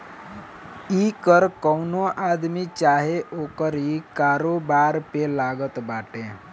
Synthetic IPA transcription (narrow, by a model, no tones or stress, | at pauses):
ikəɾkəwnoʔad̪miːt͡ɕaɦeʔokəɾiːkaɾobaɾpelaɡət̪baʈẽ